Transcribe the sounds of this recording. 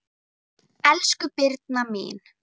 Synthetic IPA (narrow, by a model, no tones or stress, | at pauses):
ɛlskʏpɪɾt̪̚namḭːn